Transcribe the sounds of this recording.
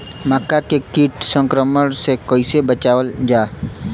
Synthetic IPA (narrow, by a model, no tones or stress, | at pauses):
məkːakekiːʈsə̃ŋkɾəməɽ̃sekoːɪsebət͡ʃaːʋəld͡ʒaː